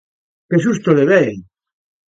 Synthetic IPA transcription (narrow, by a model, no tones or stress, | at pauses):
keʃust̪oleβɛj